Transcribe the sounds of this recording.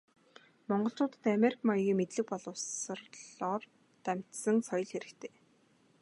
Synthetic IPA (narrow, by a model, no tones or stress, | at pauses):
mɔɴɢɞ̆ɬt͡ɕʊːt̪ə̆t̪ameɾikʰmajɣʲiːmet̪ɮɘ̆k̚pɔɮʊ̆ːws̆rɮɔːr | t̪æm̥ʲt̪sə̆ŋsɔj̆ɮxeɾɘ̆kt̪ʰeː